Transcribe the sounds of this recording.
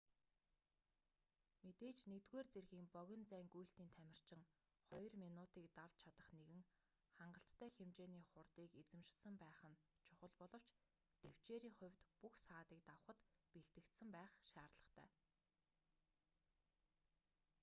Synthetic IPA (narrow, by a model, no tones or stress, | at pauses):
met̪eːt͡ɕnet̪ɣeːrt͡serɣiːŋpœɣʲɪ̆nt͡sæːŋɡuj̆ɬt̪iːnt̪ʰæmʲɪ̆r̥t͡ɕɪ̆ŋ | χɔj̆rminʊt̪iːkt̪aw̥t͡ɕʰat̪ə̆χneɣɘ̆ŋ | χaɴɢə̆ɬt̪ːʰæːxemt͡ɕeːniːχʊrt̪iːket͡sɘ̆mʃɪ̥sə̆mpæːχə̆nt͡ɕʰʊχə̆ɮpɔɮɞ̆w̥t͡ɕ | t̪ew̥t͡ɕeːɾiːŋχʊ̟wʲt̪puxsaːt̪iːk̚t̪awə̆χə̆t̪peɮt̪ɘ̆kt̪sɘ̆mpæːχʃaːrt̪ɮə̆χt̪ʰæ̰ː